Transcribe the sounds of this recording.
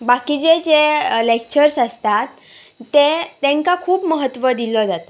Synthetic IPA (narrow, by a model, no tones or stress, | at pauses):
bakid͡ʑed͡ʑelek̚t͡ɕəɾsast̪at̪ː | et̪ẽŋkakʰuːpməɦət̪ʋəd̪ilɔd͡zat̪a